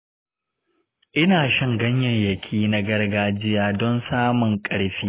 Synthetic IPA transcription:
ʔɪ˦naː˨ʃɐ˦ŋɡɐ˦ɲjɐ˨ɲjɐ˨kʲʰiː˦na˦ɡɐ˦rɡaː˦d͡ʒɪ˦jaː˨dɔ˦nsaː˦mʊ˨ŋkʼɐ˦ɽɸiː˦

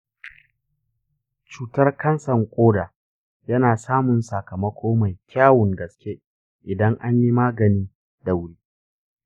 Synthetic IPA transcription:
t͡ʃuː˦tɐ˦rkɐ˦nsɐ˨ŋkʷʼoː˦daː˨ | jɐ˦naː˨saː˦mʊ˨nsɐ˨kɐ˨mɐ˦kʷʰoː˦ma˨jkʲʰaː˦wʊ˨ŋɡɐ˨skʲe˦ | ʔɪ˨dɐ˦ŋʔa˦ɲji˦maː˦ɡɐ˨ni˦ | da˨wɽiː˦

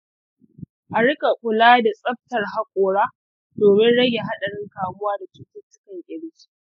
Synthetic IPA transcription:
ʔa˨ɽɪ˦ka˨kʷʊ˨laː˦da˨sʼɐ˦ɸ̚tɐ˨rɦa˦kʷʼoː˨ɽaː˦ | doː˨mɪ˦nɽɐ˦ja˨ɦa˦ɗɐ˨ɽɪ˦ŋkaː˨mʊ˦waː˦da˨t͡ʃuː˦tʊ˦tːʊ˦kɐ˨ŋʔʲʼɪ˨ɽɪ˦si̥˦

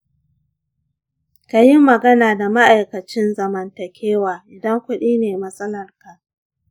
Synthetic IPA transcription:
ka˨jɪ˦mːɐ˨ɡɐ˦naː˨da˨ma˦ʔa˨jkɐ˨t͡ʃɪ˦nzɐ˨mɐ˨ntɐ˨kʲʰeː˦waː˨ʔɪ˨dɐ˦ŋkʷʊ˦ɗiː˦neː˨mɐ˦sʼɐ˦lɐ˨rka˨ʔ

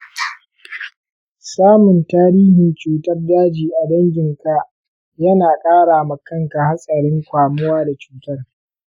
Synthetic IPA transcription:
saː˦mʊ˨ntaː˦ɾiː˦ɦɪ˨nt͡ʃuː˨tɐ˦rdaː˦d͡ʒiː˨ʔa˨dɐ˦ŋɡʲɪ˨ŋka˨ʔ | jɐ˦naː˨kʼaː˦ɽaː˨ma˨kɐ˦ŋka˨ha˦sʼɐ˨ɽɪ˦ŋkʷaː˨mʊ˦waː˦da˨t͡ʃuː˨tɐ˦r

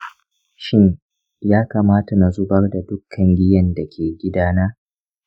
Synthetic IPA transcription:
ʃɪ˦n | jaː˦kaː˨maː˦ta˨na˨zʊ˦bɐ˦rda˨dʊ˦kʰːɐ˨ŋɡʲɪ˦jɐ˦nda˨kʲʰeː˨ɡʲɪ˦daː˦naː˦

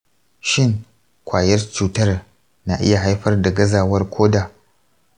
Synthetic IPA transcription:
ʃɪ˦˨ŋ | kʷʰaː˨jɐ˦rt͡ʃuː˨tɐ˦r | na˨ʔɪ̰˦ja˨ɦa˦jɸɐ˦rda˨ɡɐ˦zaː˨wɐ˦rkʷʰoː˦daː˨

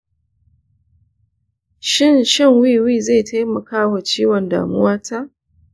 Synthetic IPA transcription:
ʃɪ˦˨nʃɪ˦˨ŋwi˦wi˦˨za˦˨ta˦jmɐ˨kaː˦wa˨t͡ʃiː˦wɔ˨nda̰ː˨mʊ̰˦waː˦ta˦ʔ

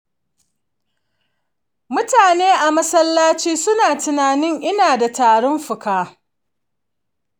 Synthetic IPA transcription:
mʊ˦taː˨neː˦ʔa˨mɐ˦sɐ˦lːaː˦t͡ʃiː˦sʊ˦naː˨tʊ˨naː˨nɪ˦ŋʔɪ˦naː˨da˨taː˨ɽɔ˦mɸʊ˨kaː˦

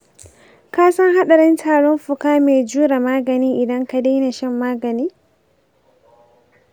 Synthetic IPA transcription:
kaː˦sɐ˦ŋha˦ɗɐ˨ɾɪ˦ntʰaː˨ɽɔ˦mɸʊ˨kaː˦meː˨d͡ʒuː˦ɾa˨maː˦ɡɐ˨niː˦ʔɪ˨dɐ˦ŋka˨de˦na˨ʃɛ˦mːaː˦ɡɐ˨niː˦

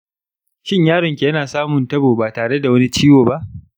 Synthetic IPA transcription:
ʃɪ˦ɲjaː˦ɽɪ˨ŋkʲi˨jɐ˦naː˨saː˦mʊ˨ntɐ˦boː˨baː˨taː˨ɽe˦da˨wɐ˦ni˦t͡ʃiː˦woː˨ba˦ʔ

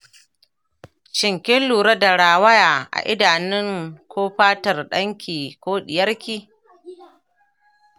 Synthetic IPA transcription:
t͡ʃɪ˨ŋkʲɪ˦nluː˨ɾɐ˦da˨ɽaː˨wɐ˦jaː˨ʔa̰˨ʔɪ˦daː˨nɪ˦ŋkʰʷoː˦ɸaː˦tɐ˨rɗɐ˦ŋkʲiː˨kʷoː˦ɗɪ˨jɐ˦rkʲiː˦

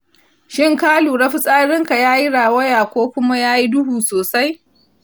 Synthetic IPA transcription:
ʃɪ˦˨ŋkaː˦luː˨ɽɐ˦ɸi˦sʼaː˦ɽɪ˦ŋka˨jaː˦ji˦ɽaː˨wɐ˦jaː˨kʷoː˦kʷʊ˦ma˦jaː˦ji˦dʊ˦huː˨soː˨sa˦j

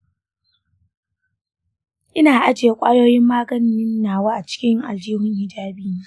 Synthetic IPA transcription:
ʔɪ˦naː˨ʔa˦d͡ʒe˨e˦kʷʼaː˦joː˦jɪ˦mːaː˦ɡɐ˦n˦ɪ˦nː˦aː˨waː˦ʔa˨t͡ʃɪ̥˦kʲɪ˦ŋʔa̰˨ld͡ʒiː˦ɦʊ˦ŋhɪ˦d͡ʒaː˦biː˦i˦

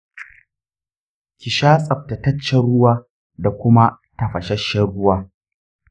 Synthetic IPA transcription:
kʲɪ˨ʃaː˦sʼɐ˨b̚tɐ˨tɐ˦t͡ʃːɛ˨ɽʊ˦waː˦ | da˨kʷʊ˦ma˦ | tɐ˨ɸɐ˨ʃɐ˦ʃɛ˦ɽʊ˦waː˦

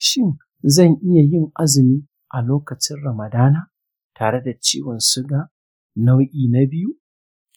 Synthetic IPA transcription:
ʃɪ˦ŋ | zɐ˦˨ŋʔɪ˦ja˨jɪ˦˨ŋʔa˦zɪ˨miː˦ | ʔa˨loː˦kɐ˨t͡ʃɪ˦nɽɐ˨mɐ˨daː˦naː˦ | taː˨ɽe˦da˨t͡ʃiː˦wɔ˨nsʊ˦ɡa˨ | na˦wʔʲiː˨na˦bɪ˦ju˦ʔ

